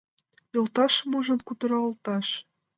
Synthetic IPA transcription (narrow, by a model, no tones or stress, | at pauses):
jolˠt̪ɑʃmuʒɤ̆mkut̪ɤ̆ɾɑŏlt̪ɑʃ